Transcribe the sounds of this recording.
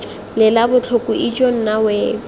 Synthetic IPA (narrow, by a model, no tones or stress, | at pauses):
lɪlabʊt͡ɬʰʊkʼuʔid͡ʒon̩nawɛ